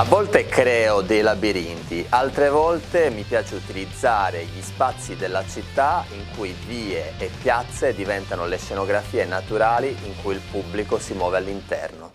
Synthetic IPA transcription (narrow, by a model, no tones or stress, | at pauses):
avːɔlt̪ekɾɛːod̪ejlabiɾint̪iʔalt̪ɾevɔlt̪emipjaːt͡ʃeut̪ilid̪zːaːɾeʎispat̪sːid̪elːat͡ʃit̪ːaiŋkujviːeːpːjat̪sːed̪ivɛnt̪anoleʃenoɡɾafiːenat̪uɾaːliʔiŋkujilpubːlikosimwɔːvealːint̪ɛ̰rno